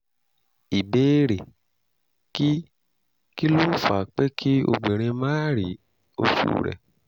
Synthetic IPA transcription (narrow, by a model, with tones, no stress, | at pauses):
i˨beː˨˦ɾe˨ | ki˦ | ki˦lo˦fa̰˨k͡pe˦kʰi˦o̰˧ɡ͡be˨ɾ̃ẽ˧mãː˦ɾi˨˦ | o˧fṵ˨ɾɛ̰˨